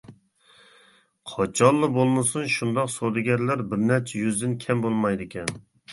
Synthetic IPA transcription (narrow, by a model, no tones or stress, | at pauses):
qʰɑt͡ʃʰɑnːˠɨbolˠmɨsunʃund̪ɑqsod̪ɪɡʲɛɾlæɾbɪɾnæɾt͡ʃʰɛjyzd̪ɪnkʲʰɛmbolˠmɑjd̪ɪkʲɛn